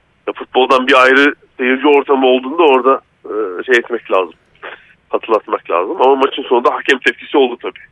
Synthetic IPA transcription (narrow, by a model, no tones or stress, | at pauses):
jafut̪̚bo̞lˠd̪anbiajɾɯsejiɾd͡ʒio̞ɾt̪ʰamɯo̞lˠd̪uːnd̪ao̞ɾd̪a | ɯːʃe̞jɛt̪mɛclʲaːzɯm | hat̪ʰɯlːˠat̪maklʲa̰ːzɯmamamat͡ʃʰɯnso̞nund̪aɦacʰɛmt̪ʰɛpcʰisiolˠd̪ut̪ʰabiː